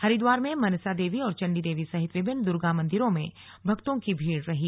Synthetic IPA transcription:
hɐɾid̪waːɾmẽmɐnsad̪eːʋiɔːɾt͡ʃɐ̃ɳɖid̪eːʋisɐɦɪt̪ʋɪbʱɪnːd̪ʊɾɡamɐ̃nd̪ɪɾõmẽ | bʱɐkt̪õkibʱiːɽɾɐɦi

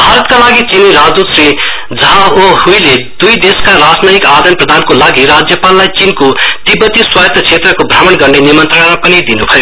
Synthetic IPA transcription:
bʱaɾʌt̪kalaɡit͡siniɾad͡zd̪usɾi | d͡zʌɦãoɦujled̪ujd̪eskaɾad͡znʌjikad̪ʌnprʌd̪ʱankolaɡiɾad͡zjʌpalːajt͡sinkot̪ibʌt̪iswat̪ʌt͡ʃʰet̪rʌkobʱramʌnɡʌɾnenimʌnt̪rəɽ̃aɾapʌnid̪inubʱʌjo

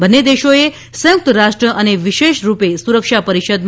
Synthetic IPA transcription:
bənːed̪eʃoe | sə̃juk̚t̪əɾaʃʈɾəʔəneʋiʃeʃɾupesuɾəkʃapəɾiʃəd̪m

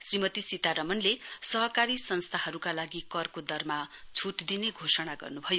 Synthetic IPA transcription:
srimʌt̪isit̪aɾʌmʌnlesʌɦʌkaɾisʌnst̪ʰaɦʌɾukalaɡikʌrkod̪ʌrmat͡sʰuʈd̪ineɡʱosʌɽ̃aɡʌ̰rnubʱʌjo

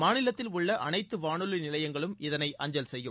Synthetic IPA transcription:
maːnɪlɐt̪ːɪlʊɭːɐʔɐnɐɪt̪ːɯʋaːɳɯlɯnɪlɐjɐŋɡɐɭɯmɪðɐnɐɪʔʔɐɲd͡ʒɐlsɛjːɯm

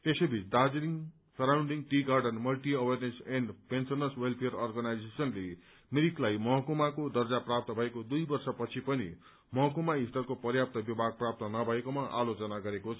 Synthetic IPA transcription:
esebʱit͡sd̪ad͡zɾiŋ | sʌɾawɳɖiŋʈiɡarɖʌnmʌlʈiʌwerneseɳɖpensʌnʌswelpʰejrʌrɡʌnajd͡zesʌnle | miɾiklajmʌɦʌkomakod̪ʌrd͡zaprap̚t̪ʌbʱʌekod̪ujbʌrsʌpʌt͡sʰipʌnḭ | mʌɦʌkumaist̪ʌrkopʌrjap̚t̪ʌbjibʱaɡ̚prap̚t̪ʌnʌbʱʌekomaʔa̰lot͡sʌnaɡʌɾekot͡sʰʌ

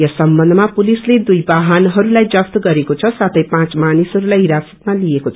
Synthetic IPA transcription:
jʌsʌmbʌnd̪ʱʌmapulisled̪ujbaɦʌnɦʌɾulajd͡zʌpt̪ɡʌɾekot͡sʰʌsat̪ʰʌjpãt͡smanisɦʌɾulajɦiɾasʌ̥t̪̚maliekot͡sʰ

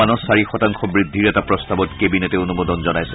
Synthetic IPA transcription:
anɔsaɹixɔtaŋkʰɔbɹid̪ʱːiɹɛtapɹɔstabɔtkebinɛtɛonumɔd̪ɔnzɔnajsɛ

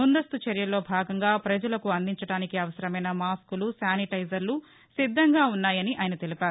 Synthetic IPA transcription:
mund̪ɐst̪ut͡ʃɐɾjɐlo̞ːbʱaːɡɐŋɡaːpɾɐd͡ʒɐlɐkuɐnd̪iɲt͡ʃɐɽaːnikiɐʋɐsɐɾɐmɐjnɐmaːskulusaːniʈɐjzɐɾlu | sid̪ʱːɐŋɡaːunːaːjɐniʔaːjɐnɐt̪elipaːɾu

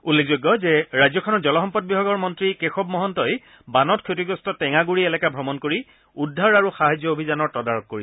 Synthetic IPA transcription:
ulːekzojɡːɔzɛɹajzɔkʰɔnɔtzɔlɔxɔmpɔd̚bibʱaɡɔɹmɔntɹikexɔb̚mɔɦɔntɔj | banɔtkʰotiɡɔstɔtɛŋaɡuɹiɛlɛkabʱɔmɔnkoɹi | udʱːaɹaɹuxaɦad͡ʒɔobʱizanɔɹtɔdaɹɔk̚koɹi

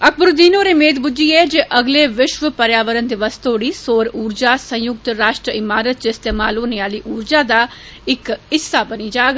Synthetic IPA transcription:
əkʰbʊɾd̪iːnoːɾeːmeːt̪bʊd͡ʒiːɛːd͡ʒeːʔəɡleːʋɪʃʋəpəɾjaːʋəɾənd̪iʋəst̪oːɽiːsoːɾuːɾd͡ʒaːsə̃jʊk̚t̪ɾaːʃʈɾəɪmaːɾət̪̚t͡ʃɪst̪eːmaːloːneaːliːʔuːɾd͡ʒaːd̪aː | ɪkɪsːaːbəniːd͡ʒaːɡ

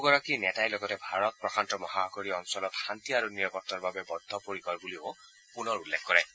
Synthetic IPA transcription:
ɡɔɹakinɛtajlɔɡɔtɛbʱaɹɔt̚pɹɔxʰantɔmɔɦakoɹiɔnsɔlɔtxant̪iaɹuniɹɔpɔtːɔɹbabɛbɔd̪ʱːɔpoɹikɔɹbulio | punɔɹulːekʰxkɔɹɛ

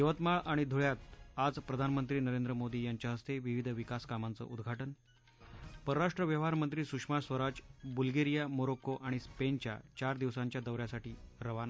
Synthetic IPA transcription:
jəʋət̪maɭaɽ̃id̪ʱuɭjat̪ad͡zpɾəd̪ʱanmənt̪ɾiːnəɾend̪ɾəmod̪iːjaɲt͡ɕjaɦəst̪eʋiʋid̪ʱʋikaskamant͡sə̰ʔud̪ɡʱaʈən | pəɾɾaʂʈɾəʋjəʋ̤aɾmənt̪ɾiːsukʂmasʋəɾat͡ɕbulɡeɾijamoɾokoʔaɽ̃ispent͡ɕja̰t͡ɕaɾd̪iʋsãɲt͡ɕjad̪əʋɾjasaʈiːɾəʋana

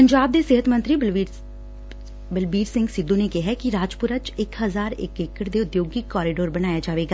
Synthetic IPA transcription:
pəɲd͡ʒaːb̚d̪eːsɪɦət̪mə̃nt̪ɾi | bəlbiːɾsɪ̃ŋɡsɪd̪ːõːnekɛɦɛkiɾaːd͡ʒpʊɾət͡ʃɪkɦəzaːɾɪ̰kɪkəɾd̪eːʊd̪joːɡikɔːɾɪɖoːɾbənaːjaːd͡ʒaːʋeːɡa

